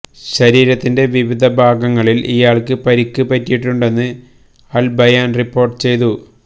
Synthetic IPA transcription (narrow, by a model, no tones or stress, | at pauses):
ɕɐɾiːɾɐt̪ːinde̞ʋiʋid̪ʱɐbʱaːɡɐŋːɐɭilʔijaːɭkɨpɐɾikʲːɨpɐtːijiʈːuɳɖe̞nːɨ | ɐlbɐjaːnripːo̞ːrʈːɨt͡ɕe̞jt̪u